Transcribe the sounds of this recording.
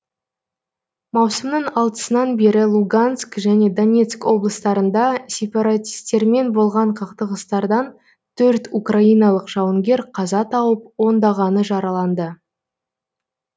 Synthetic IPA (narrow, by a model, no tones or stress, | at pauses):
mɑwsəmnəɴɑlˠt̪ə̥sənɑnbe̞ɾɪlˠuɡanskʒæne̞d̪o̞nʲe̞t̪skwo̞blˠəst̪ɑɾənd̪ɑsʲe̞pɑɾat̪ʲi̥st̪ːe̞ɾme̞nbo̞lˠʁɑɴqʰəqt̪əʁəst̪ɑɾd̪ɑn | t̪ʰɵɾt̪ukrʔaijnɑlˠəqʒɑwəŋɡʲe̞ɾqʰɑzɑt̪ʰɑwəp̚wo̞nd̪ɑʁɑnəʒɑɾɑlˠɑnd̪ə